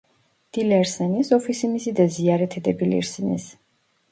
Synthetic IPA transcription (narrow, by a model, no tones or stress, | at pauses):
d̪̥ilɛɾsɛnisɔfʰisimisid̪aziaɾɛt̪ʰɛd̪ɛbilḭɾsɛnḭs